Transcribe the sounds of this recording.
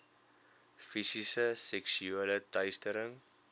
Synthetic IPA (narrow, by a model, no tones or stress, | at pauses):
fisisəsɛksyalətɐjstəɾəŋ